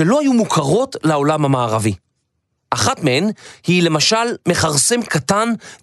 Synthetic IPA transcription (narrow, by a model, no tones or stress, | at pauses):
elo̞hajumukʰaʁo̞tlao̞lamhamaːʁavi | ʔaχatmehenhile̞maʃalme̞χaʁse̞mkatan